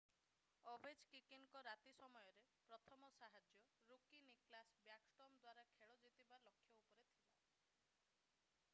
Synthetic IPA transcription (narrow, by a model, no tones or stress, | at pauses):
ɔbed͡ʒkikiŋkɔɾat̪isɔmɔjɔɾepɾɔt̪ʰɔmɔsaɦad͡ʒjɔɾukiniklasbjaksʈɔmd̪waɾakʰeɭɔd͡ʒit̪ibalɔkʰːjɔupɔɾet̪ʰila